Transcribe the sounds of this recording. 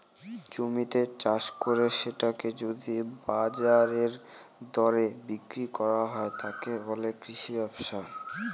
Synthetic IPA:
d͡ʑomit̪et͡ɕaʃkoɾeʃeʈaked͡ʑod̪ibad͡ʑaɾeɾd̪ɔɾebikɾikɔɾaɦɔet̪ʰakebolekɾiʃibɔbʃa

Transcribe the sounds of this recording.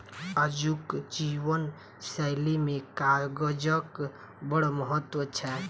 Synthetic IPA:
əd͡ʒukd͡ʒiwən | səɪlimekaɾɡəd͡ʒək | bəɽoməɦət̪ːwət͡ʃʰɛ

